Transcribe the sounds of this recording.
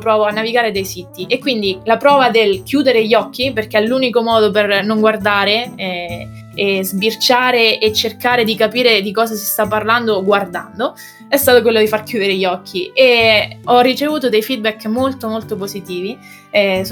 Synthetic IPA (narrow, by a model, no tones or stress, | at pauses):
pɾɔːvoanːaviɡaːɾed̪ejsit̪iʔekːwind̪ilapɾɔːvad̪elkjuːd̪eɾeʎːɔkːiperkeɛlːuːnikomɔːd̪opernoŋɡward̪aːɾeɛ | ezbirt͡ʃaːɾeʔet͡ʃːerkaːɾed̪ikapiːɾed̪ikɔːs̬asi̥st̪apːarland̪oɡward̪a̰nd̪o | ɛst̪aːt̪ok̬welːod̪ifarkjuːd̪eɾeʎːɔkʰːieɔrːit͡ʃevuːt̪̬od̪ejfid̪̚bɛkːmolt̪omolt̪op̬ozit̪iːvi